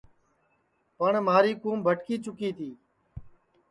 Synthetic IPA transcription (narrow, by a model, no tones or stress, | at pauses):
pəɳmaːɾiːkuːmbʱəʈkiːt͡ʃʊkiːt̪ʰiː